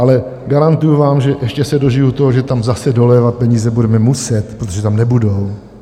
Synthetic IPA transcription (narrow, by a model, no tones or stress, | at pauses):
ʔalɛ | ɡaɾant̪ujuvaːmʒɛʔɛʃcɛsɛdoʒɪjut̪oɦoʒɛt̪amzasɛdo̞lɛːvat̪̚pɛɲiːzɛbudɛmɛmusɛt̪pɾot̪oʒɛt̪amnɛbudo̞w